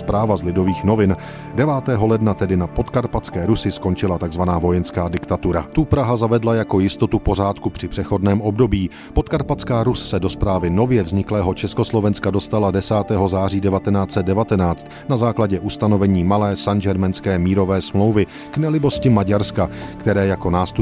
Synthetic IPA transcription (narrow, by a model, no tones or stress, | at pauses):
spɾaːvazlɪdo̞viːxno̞vɪn | dɛvaːt̪ɛːɦo̞lɛdnat̪ɛdɪnapo̞t̪kaɾpat͡skɛːɾusɪsko̞nt͡ʃɪlat̪aɡzvanaːvo̞jɛnskaːdɪkt̪at̪uɾat̪upɾaɦazavɛdlajako̞jɪst̪o̞t̪upo̞r̝aːt̪kupr̝̥ɪpr̥ɛxo̞dnɛːmʔo̞bdo̞biː | po̞t̪kaɾpat͡skaːɾussɛdo̞spɾaːvɪno̞vjɛvzɲɪklɛːɦo̞t͡ʃɛsko̞slo̞vɛnskado̞st̪aladɛsaːt̪ɛːɦo̞zaːriːdɛvat̪ɛnaːt͡sɛdɛvat̪ɛnaːt͡st̪ | nazaːklaɟɛʔust̪ano̞vɛɲiːmalɛːsand͡ʒɛɾmɛnskɛːmiːɾo̞vɛːsmlo̞wvɪ | knɛlɪbo̞scɪmaɟaɾskakt̪ɛɾɛːjako̞naːst̪u